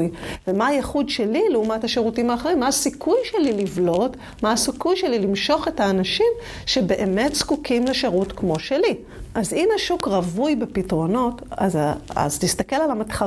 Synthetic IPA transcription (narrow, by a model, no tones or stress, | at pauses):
jvemaajeχudʃe̞lileumathaʃeʁutimaːχeʁimːaːsikʰujʃelilivlo̞t | maasikujʃe̞lilimʃo̞χe̞taːnaʃim | ʃe̞be̞ʔeme̞tskukʰimleʃeʁutkmo̞ʃeli | ʔazinaʃukʁɐvujbepitʁo̞no̞taza̰ztist̪ake̞lalamatχa